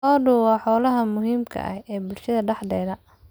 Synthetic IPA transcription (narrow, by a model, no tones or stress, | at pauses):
ɔːɖʊwɑːħɔːlɐɦɐmʊɦiːmkʰɐ̰ʔɐ̰hɛːbʊlʃɐðɐɖɑħd̪ɛːðɐ